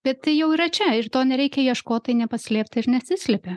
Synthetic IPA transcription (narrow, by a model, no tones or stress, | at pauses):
b̥ʲɛt̪tɐɪjɛʊiːɾɐt͡ʃʲɛɪrt̪oːnʲɛɾʲɛɪkʲɛjiɛʃkoːt̪ɐɪnʲɛpɐsʲlʲeːp̚ʲt̪ʲɪɾnʲɛsʲɪsʲlʲɛpʲe